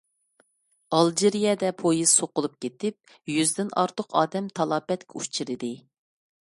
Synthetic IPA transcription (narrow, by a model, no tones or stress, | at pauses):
ɑlˠd͡ʒiɾijɛd̪ɛpʰojiz̥soqʊlˠup̚kʲʰet̪ɪp̚ | jyzd̪ɪnɑ̰ɾt̪ʰəqʰɑ̰ːd̪ɛmt̪ʰɑlˠɑːpɛt̪kʲɛut͡ʃʰiɾɨd̪ɪ